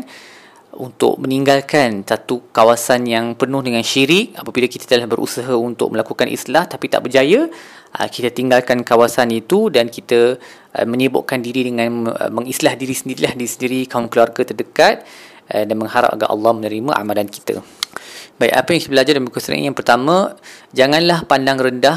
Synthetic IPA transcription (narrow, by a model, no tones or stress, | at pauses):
n | unt̪ʊ̰ʔ̚məniŋɡalkansat̪ukawasanjaŋpənʊhdəŋanʃiɾɪk̚apabilakit̪ḁt̪əlahbəɾʔṵsaɦaunt̪ʊ̰k̚məlakukanʔḭslaht̪apit̪a̰ʔbərd͡ʒajə | ə̰kit̪at̪iŋɡalkankawasanit̪udankit̪ə̰ | mə̃ɲəbʊ̰ʔkandiɾidəŋãn̰məŋislahdiɾisəndiɾilahdiɾisəndiɾikaunkəluarɡat̪ərdəkat̪̚ | danməŋɦaɾa̰p̚a̰ɡa̰ʔɑ̰lːɑhmənəɾimãʔa̰malanki̥t̪a̰ | baiʔa̰pajaŋkit̪əbəlad͡ʒardanmkusa̰ʔjaŋpərt̪amãd͡ʒaŋanlahpandaŋrəndah